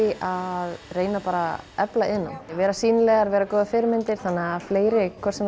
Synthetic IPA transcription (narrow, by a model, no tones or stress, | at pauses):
aðreːjnapaːɾaɛplaʔɪnːa̰nvɛːɾasiːnɪlɛɣaɾvɛːɾakɔːðɪfɪɾɪmɪnt̪ɪɾ̥θanːɛɣafleːjɾɪkʰvɛɾ̥sɛm